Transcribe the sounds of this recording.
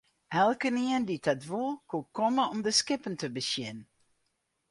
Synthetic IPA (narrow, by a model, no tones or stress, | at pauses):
ʔɛlˠkəniənditɑtʋulˠkukɔməɔmdəskɪpəntəbəsjɪn